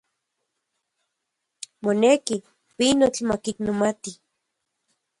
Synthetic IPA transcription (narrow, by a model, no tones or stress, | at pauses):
moneki | pinot͡ɬmakinomat̪i